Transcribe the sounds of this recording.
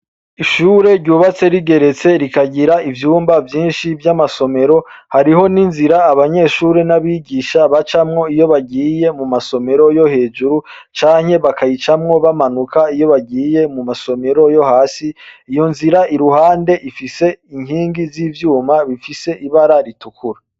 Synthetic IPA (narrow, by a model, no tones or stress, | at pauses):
iʃuːɾe̞ɾɟuːβat͡se̞ɾiɡe̞ɾe̞t͡se̞ɾikaɟiɾaivjuːmbavjiːnʃivjamaso̞me̞ɾo̞haɾiɦo̞ninziɾaːβaɲe̞ʃuːɾenaβiɟiʃaβat͡ʃamŋo̞ijo̞βaɡiːje̞mumaso̞me̞ɾo̞jo̞he̞ːd͡ʒuɾu | t͡ʃaːɲhe̞βakʰajit͡ʃamŋo̞βamanukʰaijo̞βaɡiːje̞mumaso̞me̞ɾo̞jo̞haːsiijo̞nziɾaiɾuhaːnde̞ʔifise̞iŋhiːŋɡiziːvjuːmaβifise̞ʔiβaɾaɾitukuɾa